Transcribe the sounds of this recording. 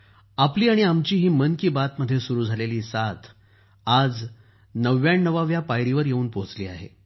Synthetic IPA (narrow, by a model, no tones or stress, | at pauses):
apliːaɽ̃iamt͡ɕiːɦiːmənkiːbat̪məd̪ʱːjesuɾuːd͡zʱaleliːsat̪ʰ | ad͡z | nəʋːjaɳːəʋaʋjapajɾiʋəɾjeuːnpoɦt͡sliːaɦḛ